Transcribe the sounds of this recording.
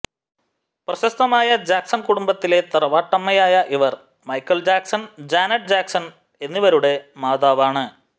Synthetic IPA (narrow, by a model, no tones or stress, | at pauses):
prɐɕɐst̪ɐmaːjɐd͡ʑaːksɐnkuɽumbɐt̪ːile̞t̪ɐrɐʋaːʈːɐmːɐjaːjɐʔiʋɐr | mɐjkːɐld͡ʑaːksɐnd͡ʑaːnɐɖ̚d͡ʑaːksɐn | e̞nːiʋɐɾuɽe̞maːðaːʋaːɳɨ